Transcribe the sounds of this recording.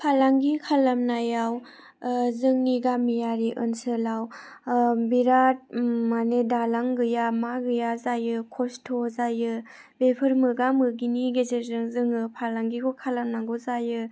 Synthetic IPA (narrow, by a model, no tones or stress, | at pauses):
pʰalaŋɡikʰalamnajaw | zɯŋniɡamijaɾiʔɯnsɯlaw | biɾat̚manedalaŋɡɯjamaɡɯjazajɯkʰɔstʰɔzajɯ | bepʰɯɾmɯɡamɯɡiniɡezeɾzɯŋzɯŋɯpʰalaŋɡikʰɔkʰalamnaɡɔzajɯ